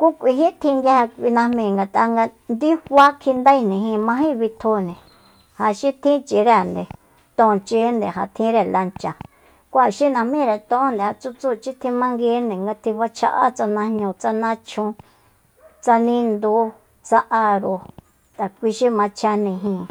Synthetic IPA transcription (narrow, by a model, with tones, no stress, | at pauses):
ku˦kʷi˧ɦi˦t̪ʰĩ˧ŋɡa˧˦a˧kʷi˧nã˧mĩ˧˨ŋɡa˧t̪a˧ŋɡa˧ | nd̪i˦hwa˦kʰi˧nd̪a˦i˧nĩ˨ɦĩ˧mã˧ɦĩ˦βi˧t̪ʰo˧nĩ˨ | ha˧ʃi˦t̪ʰĩ˦t͡ʃi˨ɾe˧˨nd̪e˨ | t̪õ˧t͡ʃe˧˦nd̪e˨ɦa˨t̪ʰĩ˧˦ɾe˧˨la˧nt͡ʃa˨ | kʷa˦˨ʃi˦nã˧mĩ˦˧ɾe˧˨t̪õ˦nd̪e˨ha˧t͡su˧t͡suː˦˨t͡ʃi˦t̪ʰĩ˧mã˧ŋɡe˧˦nẽ˨ŋɡa˧t̪ʰĩ˧βa˧t͡ʃʰa̰˧ʔa̰˦t͡sa˧nã˧hɲũ˧t͡sa˧nã˦t͡ʃʰũ˧ | t͡sa˧nĩ˧nd̪u˧˦ | t͡sa˧ʔa˧ɾo˧ | t̪a˨kʷi˧ʃi˦mã˧t͡ʃʰa˧nĩ˧ɦĩ˧˨